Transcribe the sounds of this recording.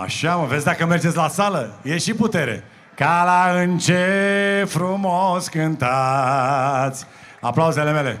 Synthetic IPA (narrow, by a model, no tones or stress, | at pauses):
a̰ʃaməvesʲd̪akəme̞rd͡ʒet̪sʲlasaləjeʃiput̪e̞ɾe̞̰ | kalaɨnt͡ʃefɾumoskɨnt̪a | t̪sʲ | a̰plawze̞le̞me̞le̞̰